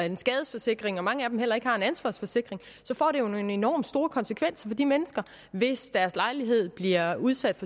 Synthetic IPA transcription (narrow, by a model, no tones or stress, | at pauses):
ensɡ̥ɛːð̞ˠəsfɒ̽se̝ɡ̥ʁeŋɒ̽mɑ̈ŋəæd̥emɦel̰ɐe̝ɡ̥hɑ̈e̝nænsʋɑ̈ːsfɒ̽se̝ɡ̥ʁeŋ | sɒ̽fɒ̰ːɾ̥e̝jone̝nɒ̰ːmsd̥o̝ːɐkʰɒ̽nsəkʰʋen̰sɐfɒ̽d̥imenəsɡ̥ɐ | ʋe̝sd̥æɐslɑ̈ɪliɦe̝ð̞̰ˠb̥liɐuðˠsæd̥fɒ